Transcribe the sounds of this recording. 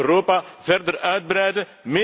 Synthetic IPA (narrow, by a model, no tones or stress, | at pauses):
ɾopɐfɛɾd̪əɾaɥt̪̚bɾɛd̪ə | me